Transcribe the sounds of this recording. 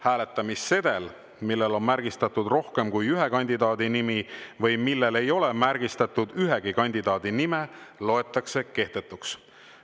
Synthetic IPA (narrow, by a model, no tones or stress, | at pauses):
hæːle̞t̪ːˑɑmisːe̞d̪̥el | milːelo̞nmæɾɡ̥ist̪ɑt̪ːud̪ro̞hke̞mkujyɦe̞kɑnʲd̪̥id̪ɑːd̪inimivɤjmilːe̞le̞jo̞le̞mæɾɡ̥ist̪ɑt̪ːˑud̪yɦe̞ɡ̥ikɑnʲd̪̥id̪̥ɑːd̪̥inimelo̞e̞t̪ːˑɑkse̞ke̞ht̪e̞t̪ːˑuks